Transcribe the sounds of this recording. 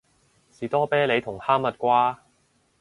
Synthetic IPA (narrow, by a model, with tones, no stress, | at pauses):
siː˨t̪ɔː˥pɛː˥le˨˧jt̪ʰʊ˨˩ŋhaː˥mːɐ˨t̚kʷaː˥